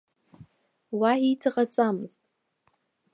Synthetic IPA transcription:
waitʰaqʼat͡sʼamɨztʼ

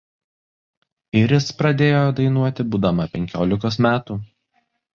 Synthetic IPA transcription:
ɪɾʲɪspɾɐd̪ʲeːjod̪ɐɪnuɔt̪ʲɪbuːd̪ɐmɐpʲɛŋʲkʲoːlʲɪkoːsmʲæːt̪uː

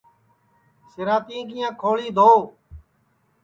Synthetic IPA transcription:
sɪɾãːt̪ĩːɡijãːkʰoːɭiːd̪ʱoː

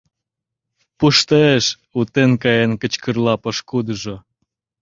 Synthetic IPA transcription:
puʃt̪əeʃ | ut̪enkɑjenkə̆t͡ɕkə̆rlɑpə̆ʃkud̪əʒo

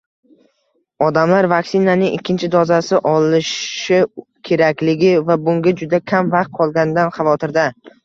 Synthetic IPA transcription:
ɒd̪amlaɾvaksɪnanɪŋɪkʲʰːɪnt͡ʃʰɪd̪ɒzasɪʔɒlɪʃɪkʲʰe̞ɾakʲlɪɡʲɪvabʊŋɡʲad͡ʒʊd̪akʲʰamvɑqt̪̚qʰɒlˠɡʲanɪd̪anχɑvɒt̪ʰɪɾd̪a

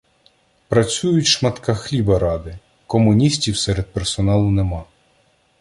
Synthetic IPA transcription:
pɾɐt͡sʲujʊtʲʃmɐt̪kɑxlʲibɐɾɑd̪ɪ | kɔmʊnʲisʲtʲiwsɛɾed̪̚persɔnɑlˠʊnemɑ

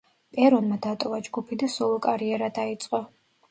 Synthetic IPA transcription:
pʼɛɾɔnmad̪at̪ʼɔvad͡ʒɡupʰid̪asɔlˠɔkʼaɾiɛɾad̪ait̪sʼqʼɔ

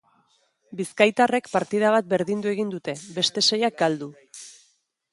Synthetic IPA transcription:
biskajt̪are̞kpaɾt̪ið̞aβ̞at̪̚be̞ɾðind̪ue̞ɣind̪ut̪e̞be̞st̪e̞se̞jak̚ɡald̪u

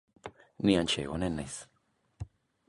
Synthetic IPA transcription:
niant͡ʃḛwonenes

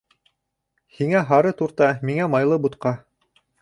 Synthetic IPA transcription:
hiŋæɦɑɾɤt̪uɾt̪ɑmiŋæmɑjlˠɤbut̪qɑ

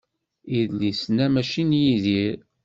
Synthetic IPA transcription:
iðlisnæmæʃinjiðiɾ

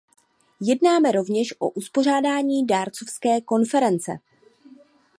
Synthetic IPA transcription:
jɛdnaːmɛɾo̞vɲɛʃʔo̞̰ʔuspo̞r̝aːdaːɲiːdaːɾt͡so̞fskɛːko̞nfɛɾɛnt͡sɛ̰

